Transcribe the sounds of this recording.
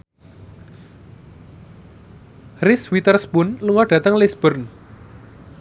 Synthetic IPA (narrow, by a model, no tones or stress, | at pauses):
rɪswit̪ərspʊnluŋɔɖ̥ä̤t̪əŋlɛsb̥ərn